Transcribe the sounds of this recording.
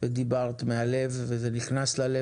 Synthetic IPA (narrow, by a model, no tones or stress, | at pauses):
ved̪ibaʁt̪meale̞vːezeniχnaslale